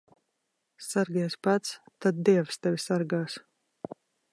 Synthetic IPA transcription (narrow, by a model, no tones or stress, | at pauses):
saɾɡɛːspat̪st̪ad̪̚d̪iɛvst̪ɛvʲisaɾɡaːs